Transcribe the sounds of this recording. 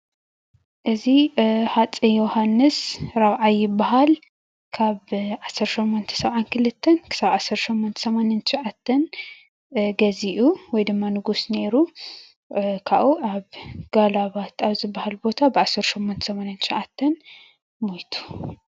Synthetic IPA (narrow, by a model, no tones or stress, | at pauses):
ʔɨziħat͡sʼijohanːɨsɾaβʕajɪbːaɦal | kʰaβʕasːɐɾʃɛmːont̪ʰɐ̥sɐβʕankʰɨlɨt̪ʰːɐnkʰɨ̥saβʕasːɐɾʃɛmːont̪ʰɐ̥sɐmanant̪ʰɨ̥ʃʕat̪ʰːɐn | ɡɐziʔuwɔjd̪ɨmːanɨɡusne̞ɾu | kʰaʔuʔaβɡ̥alaβat̪ʰaβzɨbːahalbo̞t̪ʰabʕasɐɾʃɛmːont̪ʰɐ̥sɐmanant̪ʰʃʕat̪ʰːɐn | mojt̪ʰu̥